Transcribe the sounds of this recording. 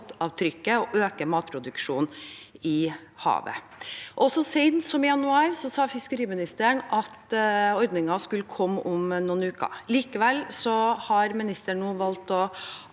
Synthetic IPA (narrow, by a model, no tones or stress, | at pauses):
t̪ɑʋt̪ʰɾʏkːəɔʔøːkəmɑːt̪̚pʰɾʊd̪ʉkʂuːnɪ | hɑ̰ːʋə̰ | ʔɔsɔsɛɪdnnsɔmɪjɑnʉɑːɾsɔsɑːfɪskəɾiːmɪnɪst̪əɳɑt̪ɔɾd̪nɪŋɑskʉləkʰɔmːʔʊmnuːnʉːkɑ̰liːkəʋɛlːsɔhɑɾmɪnɪst̪əɳːuːʋɑlt̪ɔ